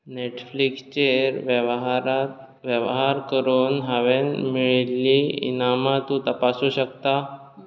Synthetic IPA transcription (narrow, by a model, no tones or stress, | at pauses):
neʈflikst͡ɕeɾʋɾat̪ | ʋjəʋɦaɾkəɾuːnɦaʋenmiɭliḭnamat̪ũt̪əpasuɕəkt̪a